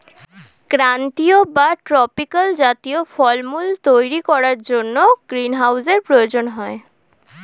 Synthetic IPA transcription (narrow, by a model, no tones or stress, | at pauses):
kɾant̪iobaʈɾɔpikald͡ʑat̪iofɔɾmult̪ojɾikɔɾaɾd͡ʑonːoɡ̥ɾinɦawseɾpɾojod͡ʑonɦɔe